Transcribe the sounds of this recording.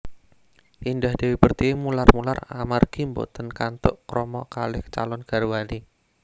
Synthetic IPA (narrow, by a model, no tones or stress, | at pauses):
indahd̪̥ewipərt̪imularmulara̰marɡ̥imbo̰t̪ənkant̪ʊʔkɾɔmɔkalɪht͡ʃa̰lɔnɡ̥aɾwali